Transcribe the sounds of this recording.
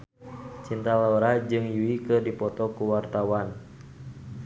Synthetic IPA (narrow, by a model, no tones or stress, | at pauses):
t͡ʃint̪alaɔɾad͡ʒɨŋjuikɨrdipɔt̪ɔkuwart̪awan